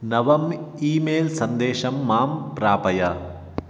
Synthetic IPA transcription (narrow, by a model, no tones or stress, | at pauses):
nɐʋɐmiːmeːlsɐnd̪eːʃɐmːaːmpɾaːpɐjɐ